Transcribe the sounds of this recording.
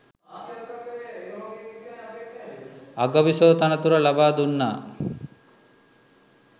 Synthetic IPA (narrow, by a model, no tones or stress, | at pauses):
aɡɐʋisoːt̪ɐnɐt̪uɾɐlabaːd̪unːa̰ː